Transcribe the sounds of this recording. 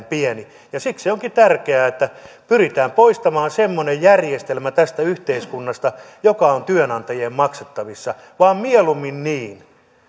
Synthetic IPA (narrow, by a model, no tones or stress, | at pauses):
mpiɛni | jɑsikseoŋkit̪ærkeæːet̪ːæpyrit̪æːmpoist̪ɑmɑːnsemːonejjærjest̪elmæt̪æst̪æyht̪eiskunːɑst̪ɑ | jokɑont̪yønɑnt̪ɑjeːmmɑkset̪ːɑʋisːɑ | ʋɑːmmielumːinniːn